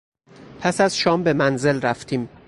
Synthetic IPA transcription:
pʰæsæz̥ʃɒːmbe̞mænze̞lɾæft̪ʰiːm

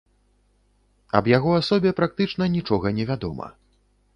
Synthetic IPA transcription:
ɐ̰bjaɣɔasɔbʲɛpɾak̚t̪ɨt͡ʂn̪ɐnʲit͡ʂɔɣɐnʲɛvʲad̪ɔ̰mɐ̰

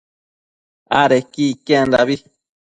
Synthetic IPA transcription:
aɾekikeand̪a̰βi

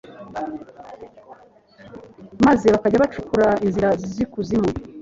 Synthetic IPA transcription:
maze̞βakaɟaβat͡ʃukuɾainziɾazizikuzimo

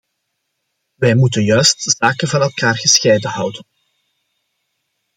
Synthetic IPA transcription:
ʋɛjmutənjœɥst̚zaːkənvɑnɛlˠkaːrɣəsxejdənɦɑwdən

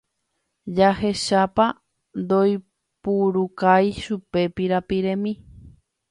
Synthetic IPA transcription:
d͡ʒahe̞ʃapa | nd̪oj | puɾukajʃupe̞piɾapiɾẽ̞mĩ

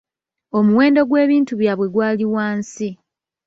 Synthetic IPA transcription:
o̞muwe̞ːndo̞ɡwe̞ːβiːntuβjaβwe̞ɡwaːliwaːnsi

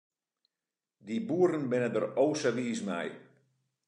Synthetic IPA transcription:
dibuərən̩bɪnədərowsəʋiːsmɛ̰j

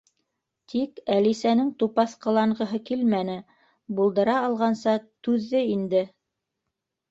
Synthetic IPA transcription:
t̪ʰikælisænɘŋt̪upɑθqɤ̆lˠɑɴɢɤ̆ɦɤkilmænɘ | bulˠd̪ɤ̆ɾɑːlˠʁɑnsɑt̪ʉðːɘind̪ɘ

